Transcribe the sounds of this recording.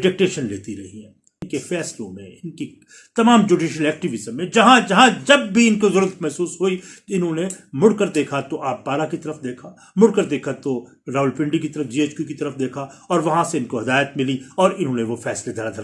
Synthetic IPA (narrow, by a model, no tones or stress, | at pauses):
ɖɪʈeːk̚ʈeːʃənleːt̪iɾɐɦiɦɛ̃ː | ɪnkefɛːslõmḛ̃ɪnki | t̪ɐmaːmd͡ʒuːɖiːʃəlɛːk̚ʈɪʋɪzəmːẽd͡ʒɐɦãd͡ʒɐɦãd͡ʒɐb̚ːʱiɪnkozʊɾɾt̪mɛɦsuːsɦoit̪oɪnɦõnemʊɽkəɾd̪eːkʰat̪oʔaːpːaːɾakit̪ɐɾəfd̪eːkʰa | mʊɽkəɾd̪eːkʰat̪o | ɾaːɦʊlpɪ̃ɳɖikit̪ɐɾəfd͡ʒiːeːt͡ʃkukit̪ɐɾəfd̪eːkʰaɔːɾʋɐɦãseɪnkoɦɐd̪aːjət̪̚mɪliɔːɾɪnɦõːneʋofɛːsled̪ʱɐɾad̪ʱɐɾa